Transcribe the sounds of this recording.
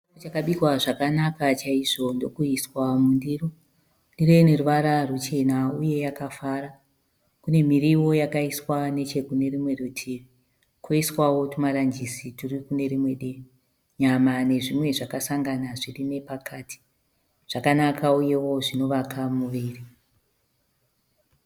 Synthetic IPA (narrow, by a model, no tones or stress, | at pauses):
ot͡ʃakaɓikwaʐakanakat͡ʃaiʐo̞ndo̞kuiswamundiːro | ndirene̞ruʋaɾarut͡ʃe̞nauje̞jakafaɾa | kune̞miɾiwo̞jakaiswane̞t͡ʃe̞kune̞rimwe̞ɗotʰiʋi | kwoiswawo̞tumaɾand͡ʒisiturikune̞ɾimwe̞ɗei | ɲamane̞ʐimwe̞ʐakasaŋɡanaʐirime̞pakʰaːtʰi̥ | ʐ̥akanakʰauje̞wo̞ʐino̞ʋakamuʋiːri